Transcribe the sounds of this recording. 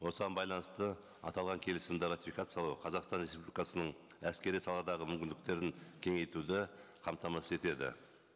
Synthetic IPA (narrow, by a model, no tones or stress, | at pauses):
wo̞səʁɑnbɑjlˠɑnəst̪ə | ɑ̰t̪ɑlˠʁɑŋkʲʰe̞lɪsɪmd̪ɪɾat̪ʲifʲikat̪sɨjɑlˠɑwqʰɑzɑqst̪ɑnre̞spublʲijkɑsənəɴ | æskʲe̞ɾijsɑlˠɑd̪ɑʁəmʏmkʲɪnd̪ɪk̚t̪e̞ɾɪŋkʲʰe̞ŋe̞jt̪ud̪ɪ | qʰɑmt̪ɑmɑsəe̞t̪e̞d̪ɪ̰